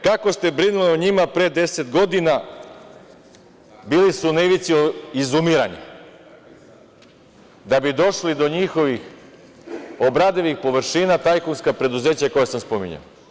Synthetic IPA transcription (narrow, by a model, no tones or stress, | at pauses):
kako̞st̪e̞bɾinulioɲimapɾe̞ːd̪e̞se̞t̪ɡo̞d̪ina | biːlisuneʋit̪sioizumiɾa̰ɲa̰ | d̪abid̪o̞ʃlid̪o̞ɲixo̞ʋix | obɾad̪eʋixpo̞ʋɾʃiːnat̪ajkunskapɾe̞d̪uze̞ːt͡ɕako̞jesamspo̞mḭɲa̰o